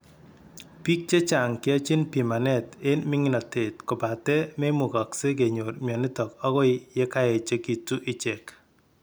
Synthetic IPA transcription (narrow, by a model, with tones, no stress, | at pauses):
pi˦k̚t͡ʃe˦t͡ʃa˨ŋkɪ˦a˦t͡ʃi˦npi˨ma˨nɛ˦te˦nmɪ˦ŋɪ˦na˨te˨tko˨pa˨tɛ˦me˦mʊ˨kɔ˨kse˦k̬e˨ɲo˨ɾmjɔ˨nɪ˦tɔ˨ka˦kɔ˦ɪ˦je˦ka˦jɛ˨t͡ʃe˦ki˨tːu˦ʔɪ˨t͡ʃɛ˨k